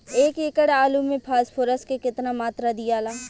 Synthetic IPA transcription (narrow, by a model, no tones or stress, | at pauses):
eːkɪkəɽaːlumẽpʰaːspʰoːɾəskekɪt̪namaːt̪ɾad̪ijaːlaː